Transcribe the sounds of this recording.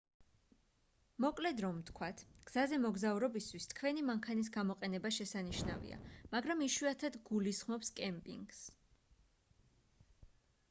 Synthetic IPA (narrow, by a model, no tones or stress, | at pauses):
mɔkʼlɛd̪ɾɔmt̪ʰkʰwat̪ʰɡ̥z̥azɛmɔɡzauɾɔbist̪ʰwist̪ʰkʰwɛnimaŋkʰanis̬ɡamɔqʼɛnɛbaʃɛsaniʃnavḭa̰maɡɾamiʃwiat̪ʰad̪ɡulisχmɔpskʼɛmpʼḭŋɡs